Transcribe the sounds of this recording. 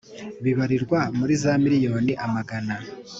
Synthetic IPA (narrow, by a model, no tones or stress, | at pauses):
βiβaɾiɾɡwamuɾizaːmiɾijo̞ːniʔamaɡana